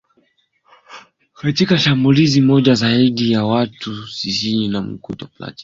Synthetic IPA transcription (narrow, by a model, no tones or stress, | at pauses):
katikaʃambulizimɔʄazaiɗijawatʰusisiinam̩kṵtɔpla̰ti̥